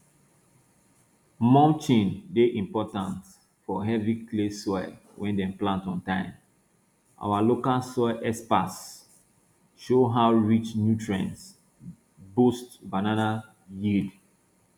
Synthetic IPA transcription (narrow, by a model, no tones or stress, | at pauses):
mɔ̃nt͡ʃĩndeʔĩmpɔtãnt | fɔɦɛviklesɔa̰ | wɛ̃ndɛ̃mplãntɔ̃ntãɪ̃m | ʔa̰walokalsɔʔɛspas | ʃoɦaʊɹit͡ʃnjutʰɹɛ̰̃ns | bostbanana | jid